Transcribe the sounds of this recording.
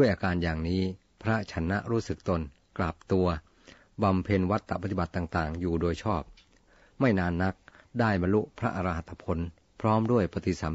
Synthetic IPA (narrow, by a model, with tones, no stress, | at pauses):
du˥˩əjʔaː˧kaː˧njaː˨˩ŋniː˦˥ | pʰɾa˦˥t͡ɕʰa˦˥nːa˦˥ʔɾuː˦˥sɯ˨˩k̚t̪o˧n | kla˨˩p̚t̪u˧ɐ | ba˧mpʰe˧nwa˦˥t̪ːa˨ʔpa˧˩t̪i˧ba˨˩t̪ːaː˨˩ŋt̪aː˨˩ŋjuː˨˩doː˧jt͡ɕʰɔː˥˩p̚ | ma˥˩jnaː˧nːa˦˥k̚daː˥˩jba˧nlu˦˥ʔpʰɾa˦˥ʔa˧ɾa˧ha˨˩t̪ʰːa˧pʰo˨˧˥n | pʰɾɔː˦˥mdu˥˩əjpa˧t̪i˨˩sa˩˦